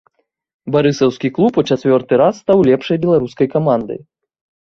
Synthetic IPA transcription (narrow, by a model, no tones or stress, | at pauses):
baɾɨsɐwskʲiklˠuput͡ʃat̪vʲɔrt̪ɨɾasːt̪awlʲɛpʂɐjbʲɛlˠaɾuskɐjkamand̪ɨ̰